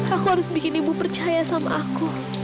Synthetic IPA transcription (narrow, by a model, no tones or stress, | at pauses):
akuhaɾʊsbikɪnibupərt͡ʃajasamaʔaku